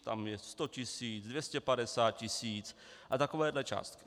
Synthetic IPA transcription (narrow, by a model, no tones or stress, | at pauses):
t̪a̰mjɛst̪ocɪsiːt͡sdvjɛscɛpadɛsaːt̪̚cɪsiːt͡sʔat̪akovɛːdlɛt͡ʃa̰ːst̪kɪ̥